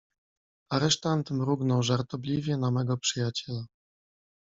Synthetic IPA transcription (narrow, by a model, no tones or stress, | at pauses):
aɾɛʂt̪ant̪mɾuɡnɔwʐaɾt̪ɔblʲivʲjɛnamɛɡɔpʂɘjat͡ɕɛla